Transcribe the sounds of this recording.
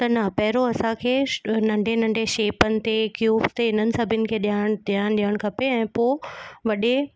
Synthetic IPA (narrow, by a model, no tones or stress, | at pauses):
t̪ɐnɐpɛɦɪɾoɐsãkʰeːnɐ̃ɳɖʱenɐ̃ɳɖʱeʃeːpənɪ̆t̪ekjuːbt̪eɪnənɪ̆sɐbʱɪnɪ̆kʰeːɗjaːɽ̃d̪ijaːñɗiəɽ̃kʰɐpeɛ̃ːpoːʋɐɗe